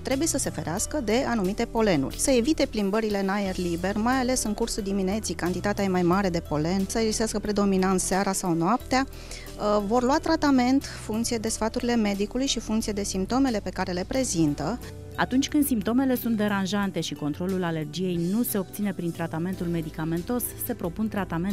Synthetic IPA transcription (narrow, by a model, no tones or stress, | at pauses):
t̪ɾe̞buje̞səse̞fe̞ɾeaskəd̪e̞anumit̪e̞po̞le̞nṵrʲsəe̞vit̪e̞plimbəɾile̞najerlibe̞rmajale̞sɨŋkursud̪imine̞t̪sijkant̪it̪at̪eajemajmaɾe̞d̪e̞po̞le̞nsəezist̪askəpɾe̞d̪o̞minant̪seaɾasawnoap̚t̪ea | vo̞rluat̪ɾat̪ame̞nt̪ | fuŋkt̪sijed̪e̞sfat̪uɾile̞me̞d̪ikulujʃifuŋkt̪sijed̪e̞simp̚t̪o̞me̞le̞pe̞kaɾe̞le̞pɾe̞zint̪ə | a̰t̪unt͡ʃʲkɨnd̪simp̚t̪o̞me̞le̞sunt̪d̪e̞ɾanʒant̪e̞ʃiko̞nt̪ɾo̞lulale̞rd͡ʒije̞jnuse̞o̞p̚t̪sine̞pɾint̪ɾat̪ame̞nt̪ulme̞d̪ikame̞nt̪o̞sːe̞pɾo̞punt̪ɾat̪amen